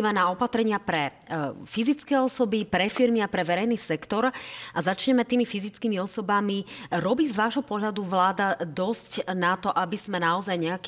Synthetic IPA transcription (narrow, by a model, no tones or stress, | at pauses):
manaɔpat̪ɾɛɲɪapɾɛ | fizit͡skɛɔsɔbipɾɛfiɾmiapɾɛʋɛɾɛjniːsɛkt̪ɔɾʔazat͡ʃɲɛmɛt̪iːmifizit͡skiːmiɔsɔbamiɾɔbizʋaːʒɦɔpɔɦʎad̪uʋlaːd̪ad̪ɔscnat̪ɔʔabiz̥mɛnaɔzajɲɛak